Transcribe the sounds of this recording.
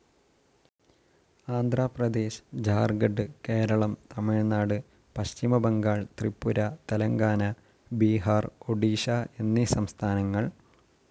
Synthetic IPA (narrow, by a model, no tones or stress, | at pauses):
aːnd̪ʱraːprɐd̪e̞ːɕd͡ʑaːrɡɐɖɨke̞ːɾɐɭɐmt̪ɐmiɻnaːɽɨ | pɐɕt͡ɕimɐbɐŋɡaːɭt̪ripːuɾɐt̪ɐlɐŋɡaːnɐ | biːɦaːroɖiːɕae̞nːisɐmst̪ʰaːnɐŋːɐɭ